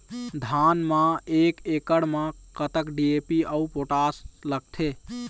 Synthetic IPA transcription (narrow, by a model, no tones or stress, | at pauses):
d̪ʱanmãekekəɽmãkət̪əkɖiepiəupoʈasləɡ̚t̪ʰe